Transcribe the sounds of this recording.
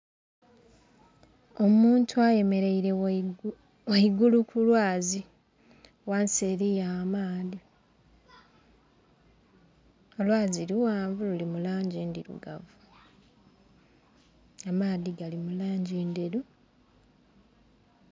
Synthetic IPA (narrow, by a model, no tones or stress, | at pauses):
o̞muːntʰuaje̞me̞ɾe̞iɾe | weiɡulukulwaːzi | wanseɾijamaːði | o̞lwaːziɾiwaːɱvululimulaːɲɟindiɾṵɡa̰vu | amaːðiɡalimulaːɲɟiːndeɾu